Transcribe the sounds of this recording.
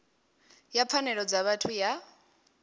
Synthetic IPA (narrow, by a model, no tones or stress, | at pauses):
japʰanɛɺɔd͡zaβatʰuja